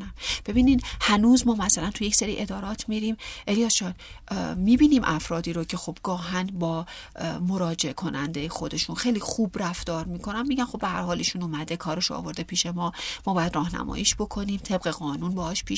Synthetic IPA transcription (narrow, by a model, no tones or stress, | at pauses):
næmb̥e̞biːnid̪hænuːzmɒːmæsælænt̪ʰujecseɾḭːʔe̞d̪ɒːɾɒːt̪ʰmiɾiːmʔelijɒːsʃɒːnmiːbiːniːmʔæfɾɒːd̪iːɾocʰe̞xo̞b̚ɡɒːɦænbɒːmoɾɒːd͡ʒe̞ekʰo̞nænd̪ejexo̞d̪e̞ʃuːnxe̞jliːxuːbræft̪ɒːɾmiːkʰo̞nænmiːɟænxo̞behæ̰ɾhɒːliːʃuːnumæd̪ekʰɒːɾe̞ʃoɒ̰ːvo̞ɾd̪e̞pʰiːʃe̞mɒːmɒːbɒːjæd̪rɒːhnæ̰mɒ̰ːjiːʃb̥o̞kʰo̞niːmt̪ʰe̞bɣe̞ɣɒːnuːnbɒːɒːʃpʰiːʃ